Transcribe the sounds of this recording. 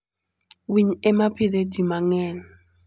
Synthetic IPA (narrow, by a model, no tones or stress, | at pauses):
wiɲɛmapɪded͡ʒimaŋɛn